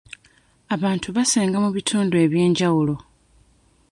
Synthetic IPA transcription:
aβaːntʰuβaseːŋɡamuβitʰuːndue̞βje̞ːɲɟawulo̞

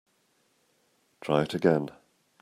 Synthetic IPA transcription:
d̥ɹ̥aɪ̥təɡɛ̃n

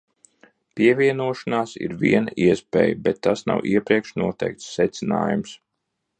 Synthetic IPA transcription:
piɛvʲiɛnuɔʃanaːsḭɾviɛnɐʔiɛspɛ̰ːjbɛt̪ːasna̰wʔiɛpɾiɛkʃnuɔt̪ɛjk̚t̪ssɛt̪sɪna̰ːjums

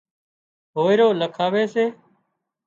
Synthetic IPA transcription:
ɦoːɪɾoːləkʰaːʋeːseː

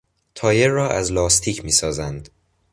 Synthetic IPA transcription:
t̪ʰɒːjerɒːʔæzlɒːst̪ʰiːcʰmiːsɒːzænd̪

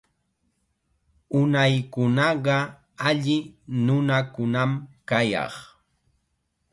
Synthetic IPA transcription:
ʊnajkʊnɑɢɑ | aʎɪnʊnakʊnamkajɑ̰χ

